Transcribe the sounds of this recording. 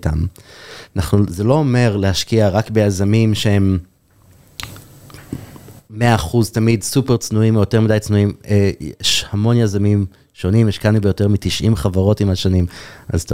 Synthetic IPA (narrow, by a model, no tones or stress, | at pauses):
tam | naχnuzelo̞ome̞ʁlehaʃkiaʁakbejazamimʃehe̞m | eaːχuztamidsupeʁt͡snuimojo̞te̞ʁmidajt͡snuimejeʃhamo̞njazamim | ʃo̞nimjeʃkanubejote̞ʁmitiʃʔimχavaʁo̞timaʃanimʔa̰zt